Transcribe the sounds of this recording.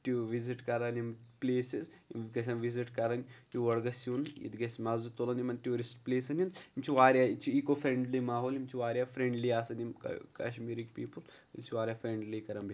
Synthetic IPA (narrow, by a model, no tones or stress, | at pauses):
ʈuʋiziʈkɐɾɐnʲimpleːsiz | ɡɐs̬ʲanʋiziʈkɐɾɐnʲtuʋɐɽɡɐsjunḭd̪ɡɐsmɐzut̪olɐnimɐntʲuːɾisʈpleːsɐnund̪imt͡ʃʰiʋaːɾʲjaːit͡ʃʰiikofɾeɳɖlimaːɦoːlimt͡ʃʰiʋaːɾʲjaːfɾeɳɖliaːsɐnim̰kɐ̰ʃmiːɾikpiːpɨl | it͡ʃʰiʋaːɾʲjaːfɾeɳɖlikɐɾɐmbʱʲi